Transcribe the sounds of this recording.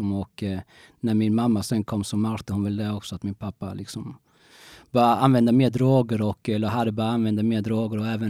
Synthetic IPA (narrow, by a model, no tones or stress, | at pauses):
ɔmɔk | næɾmɪnmamːasɛnkʰɔmːsɔmːaɾt̪əhʊnvɛld̪ɛɔksɔat̪mɪnpʰapːa̰lʔɪksɔm | bɑːɾaanvɛnd̪əmeːd̪ɾoːɡəɾɔkːɛlːəɾɦad̪əbɑːɾaanvɛnd̪ameːd̪ɾoːɡəɾɔɛːvən